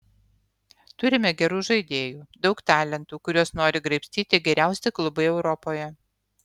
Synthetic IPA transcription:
t̪ʊɾʲɪmʲɛɡʲɛɾuːʒɐɪd̪ʲeːjuːd̪ɒʊkt̪ɑːlʲɛnt̪uːkʊɾʲuɔsnoːɾʲɪɡɾɐɪpʲsʲt̪ʲiːt̪ʲɪɡʲɛɾʲæˑʊsʲɛklˠʊbɐɪɛʊɾɔpoːjɛ

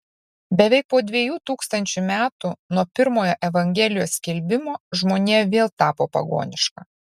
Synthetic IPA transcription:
bʲɛʋʲɛɪk̚poːd̪ʲʋʲiɛjuːt̪uːkst̪ɐnʲt͡ʃʲumʲæːt̪unuɔpʲɪɾmoːjoːʔɛʋɐŋʲɡʲɛlʲɪjoːsʲkʲɛlʲbʲɪmoːʒmoːnʲeːʋʲeːlˠt̪ɑːpoːpɐ̰ɡo̰ːnʲɪʃkɑː

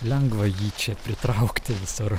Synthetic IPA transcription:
lʲɛŋɡʋɐjiːt͡ʃʲɛpʲɾʲɪt̪ɾɐʊkt̪ʲɪʋʲɪsʊɾ

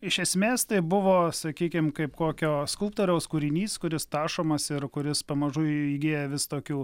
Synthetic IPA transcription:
ɪʃʲɛsʲmʲeːst̪ɐɪbʊʋoːsɐkʲiːkʲɪmkɐɪpkoːkʲoːskʊlˠp̚t̪oːɾʲɛʊskʊɾʲɪnʲiːskʊɾʲɪst̪ɑːʃoːmɐsɪɾkʊɾʲɪspɐmɐʒʊɪiːɡʲeːjɛʋʲɪst̪oːkʲuː

